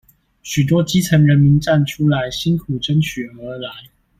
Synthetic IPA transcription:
ɕy˨˩t̪̬wɔ˥t͡ɕi˥t͡sʰə˧˥nɻə˧˥nmi˧˥nʈ͡ʂa˥˩nʈ͡ʂʰu˥la˧˥ɪɕi˥nkʰu˨˩ʈ͡ʂə˥nt͡ɕʰy˨˩ə˧˥la˧˦ɪ

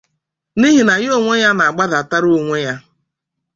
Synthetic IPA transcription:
ni˦ɦi˨na˨jo˦˨ŋʷe˦ja˦na˨a˨ɡ͡ba˦da˨a˨ta˦ɾo˦˨ŋʷe˦ɲa˦

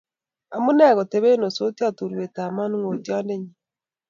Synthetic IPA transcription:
a˨mu˦nɛ˦˨ɣɔ˨te˨βe˦no˨so˦ti˦a˦tu˨ɾwe˨ta˨ma˦nu˦ŋo˨tja˦nde˦ɲi

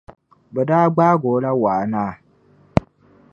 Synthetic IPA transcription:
bɛ˨daː˦ɡ͡baː˦ɡoː˨˦la˦waː˨naː˦˨

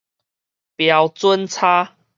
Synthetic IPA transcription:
pja˧wt͡swə˦nt͡sʰa˦

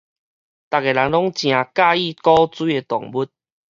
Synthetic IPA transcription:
t̪a˨k̚e˨la˨˦ŋlɔ˦ŋt͡ɕj̃ã˨ka˥˧i˥˧˨kɔ˦t͡swi˦e˧t̪ɔ˨˩ŋbu˦˥t̚

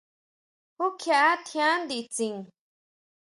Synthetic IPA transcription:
hu˦kʰa˧ʔa˦t̪ʰjã˦nd̪i˧˨t͡si˨ŋ

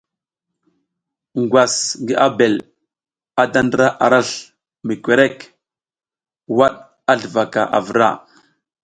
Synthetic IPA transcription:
ŋɡwa˨sɡi˦ʔa˦be˨l | a˨˦da˦ndə˦ɾa˦ʔa˨ɾa˦ɬ | mi˨kʷe˨ɾe˦k | wa˦ɗ | a˦ɮə˨va˨ka˨ʔa̰˨və˨ɾa̰˦˨

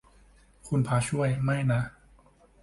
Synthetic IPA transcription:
kʰu˧npʰaː˧t͡ɕʰu˥˩əjma˥˩jna˦˥

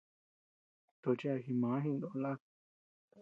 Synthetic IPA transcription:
t̪o˧t͡ʃi˦a˧xi˧mã˨˦ɦĩ˦˧nd̪õ˧la˦k̚

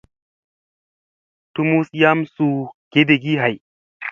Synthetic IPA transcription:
tu˦mu˦sja˦msu˨ɡ̥e˦de˨ɡi˦ɦa˨j

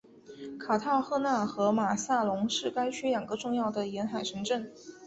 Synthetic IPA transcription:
kʰa˨˩t̪ʰɑ˥˧ʊxɤ˥˧na˥˩xɤ˧˥ma˨˩sa˥˩lʊ˧˥ŋʂɻ̩˥˩ka˥ɪt͡ɕʰɛ˥ljɑ˨˩ŋɡə˦ʈ͡ʂʊ˥˧ŋjɑ˥˩ʊd̪ə˩jɛ˧˥nxa˨˩ɪʈ͡ʂʰɤ˧˥ŋʈ͡ʂə˥˩ŋ

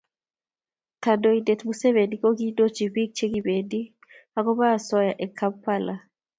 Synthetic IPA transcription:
ka˨do˨ide˨t̪muse˦βe˨di˨ko˦ɡi˦do˦t͡ʃi˨bi˦k̚t͡ʃe˦ɡi˨be˨di˦ | a˦kɔ˦ba˦˨sɔ˦ja˨ʔɛ˨kʰa˦pːa˦la˨

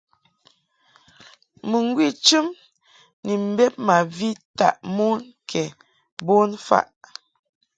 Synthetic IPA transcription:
mə˨ŋ˦ɡwi˦˨t͡ʃɨ˦m | ni˨m̩˨be˦p̚ma˨vi˦ta̰˨ʔmo˦n | kʰɛ˨ | bo˦nfa̰˦ʔ

